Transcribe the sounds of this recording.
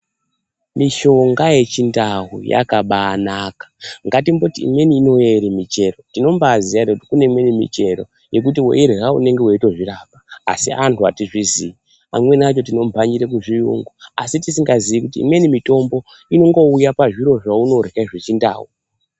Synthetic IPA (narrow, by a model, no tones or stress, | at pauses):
miʃo̞ŋɡaje̞t͡ʃindawṵja̰kaɓaːnakḁŋɡatimbo̞tiḭmwe̞niːno̞jeɾimit͡ʃe̞rotino̞mbaːziarekutikune̞mwe̞nimḭt͡ʃe̞ɾo̞̰ | je̞k̬utiwo̰ʔeɾiɦaṵne̞ŋɡe̞woito̞ʐirapa̰ːsiantʰuatiʐizii | a̰mwe̞nat͡ʃo̞t̬ino̞mbʱaɲiɾek̬uʐijṵŋɡuasitisiŋɡaziʋikutḭːmwe̞nimito̞mbo̞ | ino̞ŋɡo̞ujapaʐiɾo̞ʐauno̞rekaiʐe̞t͡ʃinda̰ːwu